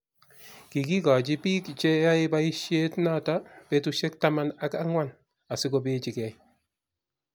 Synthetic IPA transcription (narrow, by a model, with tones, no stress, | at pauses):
ki˨ki˦ka˨d͡ʒi˦piː˦kt͡ʃɛ˦ja˦ɪbai˦ʃje˦tnatapɛtuʃɛ˦k̚tama˦na˦ka˦ŋwa˦n | a˨sɪ˦ko˦bɪ˦t͡ʃɪ˨kɛ˨j